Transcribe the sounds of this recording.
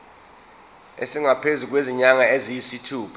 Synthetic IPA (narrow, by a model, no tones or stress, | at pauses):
ḛsiŋapʰezuk̬weziɲaŋaezijisitʰuːpʰ